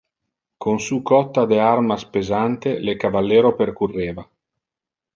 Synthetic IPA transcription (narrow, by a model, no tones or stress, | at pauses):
kʰonsuːkɔt̪ːad̪earmaspezant̪elekavalːeːɾoperkurːeːva